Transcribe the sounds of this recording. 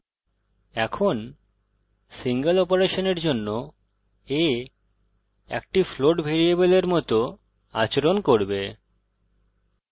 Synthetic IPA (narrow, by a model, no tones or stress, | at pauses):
ɛkʰon | siŋɡəlɔpoɾeʃoneɾd͡ʑonːo | e | ɛ̰k̚ʈifloʈbʱeɾijebeleɾmɔt̪o | a̰t͡ɕeɾonkoɾbe